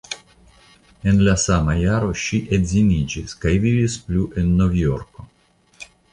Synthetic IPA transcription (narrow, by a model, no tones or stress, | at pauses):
e̞nlasamajaɾo̞ʃiʔedzinid͡ʒiskajvivispluʔe̞nːo̞vjo̞ɾko̞